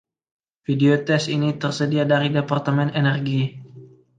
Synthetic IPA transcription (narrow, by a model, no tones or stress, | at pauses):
fideot̪ɛsinit̪ərsədiadaɾidepart̪əmɛnenɛrɡi